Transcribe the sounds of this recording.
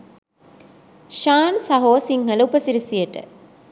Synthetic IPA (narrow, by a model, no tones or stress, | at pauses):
ʃaːnsɐɦoːsiŋɦəlɐupɐsiɾisijɐʈə̰